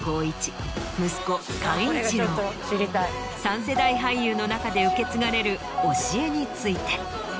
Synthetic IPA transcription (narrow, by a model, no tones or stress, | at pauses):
ɡ̥o̞ːit͡ɕi̥mɯ̟sɨ̥ko̞kãɰ̃ĩt͡ɕi | it̪ | sãɰ̃se̞d̪aiɦajjɯːno̞nakad̪e̞ɯ̟ke̞t͡sɨɡaɾe̞ɾɯ̟ | o̞ɕie̞ɲ̟it͡sɨit̪e̞̥